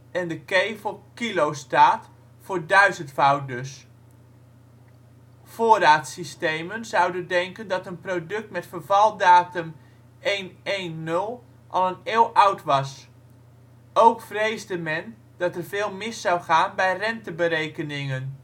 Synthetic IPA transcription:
ʔɛndəkejvəlˠkilowstaːt | fʊːɹdœɥzəntfawt̚dɵs | foːraːtsistejmənzʌwdəndɛŋkəndɑtənprowdɵk̚tmɛtfərvɑlˠdaːtəm | ejnejnːɵlˠ | ʔɑlˠəneːlˠʔʌwtʋɑs | ʔowkfrejzdəmɛn | dɑtɛrvɪːlˠmɪsɑwχaːnbɛjrɛntəbəɾejkənɪŋən

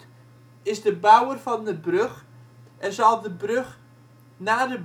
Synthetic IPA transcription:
ɪzdəbawərfɑndəbrøχ | ɛnzɑlˠdəbrøχ | naːdə

